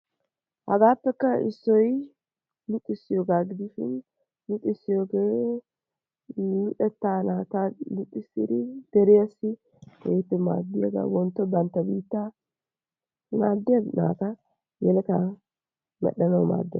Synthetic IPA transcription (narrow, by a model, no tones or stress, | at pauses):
hɐɡaːpːɛkːɐɪsːɔj | nʊt̪ʼːɪsːɪjoːɡaːɡɪd̪ɪʃɪ̰nː | ʊt̪ʼːɪsːɪjoːɡeː | nʊᶑɛt̪ːaːnaːt̪anʊt̪ʼːɪsːɪ̰d̪ɪd̪̥ɛɾɪjɐsːɪ | keːt̪ːɛma̰ːd̪ːɪjɐ̰ɡa̰ːwɔnt̪ːɔbɐnt̪ːɐbiːt̪ːa | maːd̪ːɪjɐna̰ːkɐ | jɛlɛk̪ɐ | mɛ̰ɗɐnɐwma̰ːd̪ːɪ